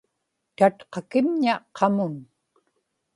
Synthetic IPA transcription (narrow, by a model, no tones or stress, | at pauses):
t̪at̪qɑkɪmɲaqʰɑmʊn